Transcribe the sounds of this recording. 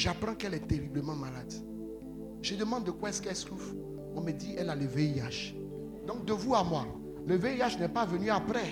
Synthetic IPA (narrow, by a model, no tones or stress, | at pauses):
ʒapɾɑ̃kɛlɛt̪eʁibləmɑ̃malad̪ | ʒ̥əd̪əmɑ̃d̪ːəkwaɛskɛsluf | ɔ̃məd̪iɛlaləveiaʃ | d̪ɔ̃k̚d̪əvuamwa | ləveiaʃnɛpavənyapɾɛ